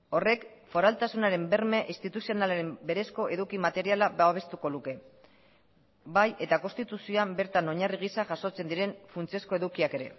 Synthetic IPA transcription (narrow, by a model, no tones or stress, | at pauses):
o̞re̞kfo̞ɾalt̪asunaɾe̞mbe̞ɾme̞ʔist̪it̪usio̞nalaɾe̞mbe̞ɾe̞sko̞ʔe̞ðukimat̪e̞ɾialabaβ̞e̞st̪uko̞luke̞ | baje̞t̪ako̞st̪it̪usioambe̞ɾt̪ano̞ɲariɣisaʝaso̞t͡se̞nd̪iɾe̞ɱfunt͡sio̞sko̞e̞ðukiake̞ɾe̞̰